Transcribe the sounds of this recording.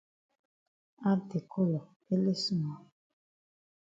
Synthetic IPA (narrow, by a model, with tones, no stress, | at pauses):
a˦de˨kʰo˦lɔ˨ | e˦le˦su˦mɔ˨